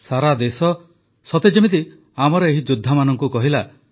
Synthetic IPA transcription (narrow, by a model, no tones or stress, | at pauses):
saɾad̪esɔ | sɔt̪ed͡ʒimit̪i | amɔɾɔeɦid͡ʒud̪ʱːamanɔŋkukɔɦila